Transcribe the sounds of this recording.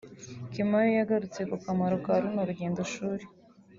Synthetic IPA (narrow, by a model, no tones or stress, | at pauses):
kimajojaɡaɾut͡se̞kukamaɾokaɾunoɾuɟeːndoʃuːɾe